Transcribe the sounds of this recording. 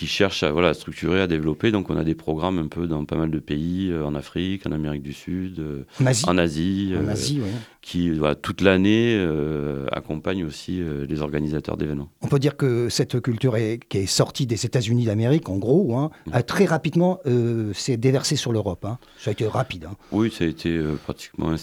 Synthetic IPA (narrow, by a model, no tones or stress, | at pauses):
kʲiʃɛʁʃa̰vwalast̪χyk̚t̪ʰyʁead̪evlɔped̪ɔ̃kɔ̃nad̪epχɔɡʁamɛ̃pʰød̪ɑ̃pamald̪əpeiøɑ̃nafχikɑ̰̃nameʁik̚d̪ysyd̪ø̃naziɑ̰̃nazĩnaziwi | kʲʰivwa̰la̰t̪ut̪laneøa̰kɔ̃paɲosiølezɔ̰ʁɡanizat̪œ̰ʁd̪evɛnmɑ̃ɔ̃pød̪iʁkəsɛt̪kʲylt̪yʁɛkʲiɛsɔʁt̪id̪ezet̪azynid̪ameʁikɑ̃ɡʁoɛ̃at̪χɛʁapid̪mɑ̃øsɛd̪evɛʁsesyʁløʁɔpɛ̃ | saet̪eʁapid̪ɛ̃wisaet̪ʰeøpχat̪i̥kmɑ̰̃ɛ̃